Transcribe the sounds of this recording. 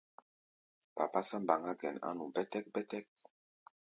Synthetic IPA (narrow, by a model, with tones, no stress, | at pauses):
pa̰˨pa˦sa˦mba˨ŋɡa˦ɡɛ̰˨na̰˦nũ˨bɛ˦tɛ˦k̚bɛ˦tɛ˦k̚